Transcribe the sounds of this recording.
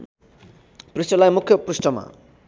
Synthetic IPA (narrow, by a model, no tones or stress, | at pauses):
pɾisʈʌlajmukʰjʌpɾusʈʌma̰